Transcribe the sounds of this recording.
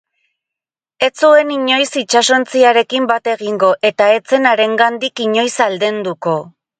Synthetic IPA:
e̞t͡sue̞niɲo̞jsit͡ʃaso̞nt͡siaɾe̞kimbat̪e̞ɣ̞iŋɡo̞ʔe̞t̪ae̞t͡se̞naɾe̞ŋɡand̪ikiɲo̞jsald̪e̞nd̪uko̞

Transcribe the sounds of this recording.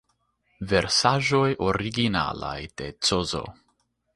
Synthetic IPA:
ve̞ɾsaʒo̞jʔoɾiɡina̰la̰jd̥e̞t͡sozo̞̰

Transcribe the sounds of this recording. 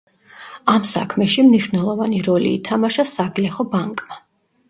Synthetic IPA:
amsa̰kʰmɛʃimniʃwvnɛlˠɔvaniɾɔlḭːt̪ʰamaʃasaɡlɛχɔbaŋkʼma

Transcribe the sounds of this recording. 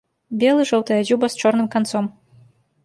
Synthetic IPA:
bʲeɛlˠɨʐɐwt̪ɐjɐzʲubɐst͡ʂɔrnɨmkant̪sɔm

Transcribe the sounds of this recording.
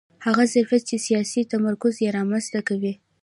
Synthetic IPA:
haɣazaɾfat̪̚t͡ʃesijɑsit̪amaɾkʊzjeɾɑmanz̥t̪akawi

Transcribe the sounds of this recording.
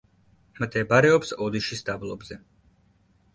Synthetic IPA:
md̪ɛbaɾɛɔpsɔd̪iʃisd̪ablˠɔbzɛ

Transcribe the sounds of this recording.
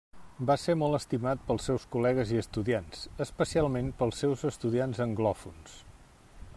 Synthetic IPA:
basemɔlˠəst̪imat̪̚pəlˠsɛwskulɛɣəziəst̪uðiansəspəsialˠmenpəlˠsːɛwzəst̪uðianzəŋɡlɔfuns

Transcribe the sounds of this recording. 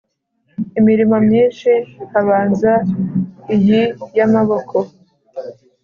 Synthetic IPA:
imiɾimomɲiːnʃihaβaːnza | ijijamaβo̞kʰo

